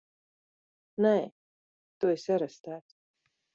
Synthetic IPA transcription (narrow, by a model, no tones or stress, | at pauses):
nɛː | t̪uisɛɾast̪æːt̪